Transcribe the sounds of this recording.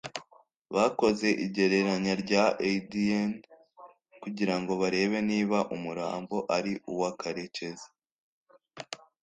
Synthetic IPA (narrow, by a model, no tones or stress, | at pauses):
βako̞ze̞ʔiɟe̞ɾe̞ɾaɲaɾɟaʔedien | kuɟiɾaŋɡo̞βaɾe̞ːβe̞niːβaʔumuɾa̰ːmboʔaɾiʔuwakaɾe̞ce̞zḁ